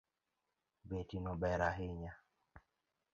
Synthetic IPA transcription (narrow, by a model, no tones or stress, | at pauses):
betinɔbɛɾaɦiɲa